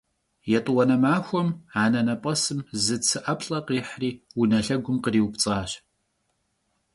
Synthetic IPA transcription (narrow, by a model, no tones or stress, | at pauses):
jɛtʼwɐnɐmaːxʷɔmaːnɐnɐpʼɐsɨmzɨt͡sʰɨʔɐpʰɬʼɐqiːħriːwunɐɬɐɡʷʊmqəriːwpt͡sʼaːɕ